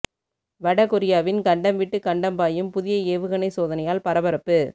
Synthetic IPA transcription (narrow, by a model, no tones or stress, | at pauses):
ʋɐɽɐkʊɾɪjaːʋɪnkɐɳɖɐmʋɪʈːɯkɐɳɖɐmpaːjɯmpʊðɪjɐeːʋɯɣɐnɐɪsoːðɐnɐjaːlpɐɾɐʋɐɾɐpːɯ